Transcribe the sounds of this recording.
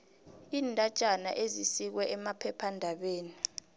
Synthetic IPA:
iːndʱad̥ʒ̥ʱʼana̰ʔezisik̬wɛʔɛmapʰɛpʰandʱaɓeːni

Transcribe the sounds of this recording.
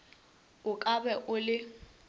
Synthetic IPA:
ʊkʼabɛʔʊlɪ

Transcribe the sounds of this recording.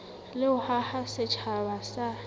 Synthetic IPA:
lɪʊhahasɪt͡ʃʰabasa

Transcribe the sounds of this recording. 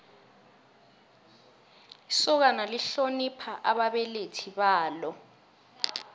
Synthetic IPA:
isɔk̬analiɬonipʰaʔaɓaɓɛletʰiɓaːlɔ

